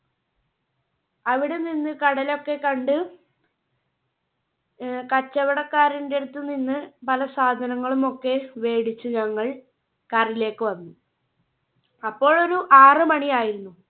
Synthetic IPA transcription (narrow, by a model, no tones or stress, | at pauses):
ɐʋiɽe̞ninːɨkɐɽɐlo̞kːe̞kɐɳɖɨ | kɐt͡ɕːɐʋɐɽɐkːaːɾinde̞ɽut̪ːɨninːɨpɐlɐsaːd̪ʱɐnɐŋːɐɭumo̞kːe̞ʋe̞ːɽit͡ɕːuɲɐŋːɐɭ | kaːrile̞ːkːɨʋɐnːu | ɐpːo̞ːɭo̞ɾuʔaːrɨmɐɳijaːjiɾunːu